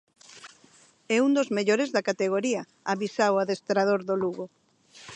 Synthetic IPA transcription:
ɛund̪ozmeʎoɾezðɐkat̪eɣ̞oɾiɐ | aβisawaðest̪ɾaðoɾðoluɣo

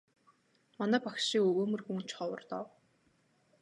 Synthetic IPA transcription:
manæːpakʃiŋɵɣoːmɵ̆rxuːn̥t͡ɕχɔwə̆rt̪ɔ̰w

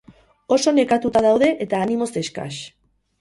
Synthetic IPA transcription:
o̞so̞ne̞kat̪ut̪að̞awðe̞ʔet̪aːnimo̞se̞ska̰s

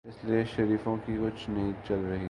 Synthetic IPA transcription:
ɪslieʃɐɾiːfõkikʊt͡ʃʰnɐɦĩt͡ʃɐlɾɐɦi

